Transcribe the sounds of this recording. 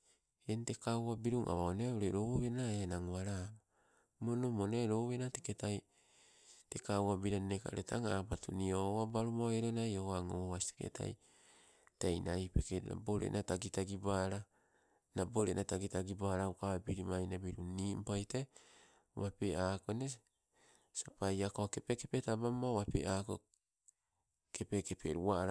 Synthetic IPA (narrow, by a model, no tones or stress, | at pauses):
ente̞kawwabiɾuŋʔa̰βaoneoɾeɾoβenaenaŋoaɾama | monomoneɾoβenateketaj | tekawabiɾanneka̰ɾetʰa̰ŋapatuniowabaɾumaeɾonajowaŋowasi̥teke̞̰tʰa̰j | tejnajpekea̰boɾḛnataɡitaɡibaɾa | naboɾenataɡitaɡibaɾaukabiɾimajnabiɾunimpajta | wapeaːkone | sapajakoakepekepetabamːawapḛaːko | kepekepḛɾuaɾ